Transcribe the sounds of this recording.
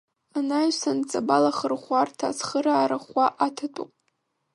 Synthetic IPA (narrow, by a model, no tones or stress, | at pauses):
anajsant͡sʼabalaχərχʷartʰasχəɾaːɾaχʷaʔatʰatʷʼupʼ